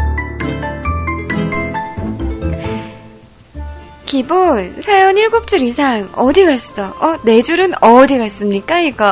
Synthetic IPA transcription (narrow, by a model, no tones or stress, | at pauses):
kibonsʰajʌniɭɡop̚t͡ɕ͈uɾisʰaŋʌdiɡas͈idʌʌne̞d͡ʑuɾɯnʌdiɡas͈ɯmɲik͈aiɡʌ